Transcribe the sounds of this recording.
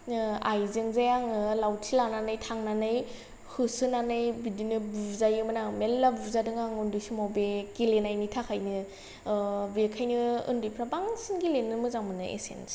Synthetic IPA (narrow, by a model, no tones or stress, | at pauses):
ajzeŋzajaŋɯlawtʰilananɯjtʰaŋnanɯj | hɯsɯnanɯjbidinɯbuzajɯmanamelːabubzadɯŋaŋɯndɯsimawbekilenajnitʰakʰajnɯ | bekʰajnɯɯ̰ndipʰɾabaŋsɯnɡilenːɯmɯzaŋmɯnɯḛsḛns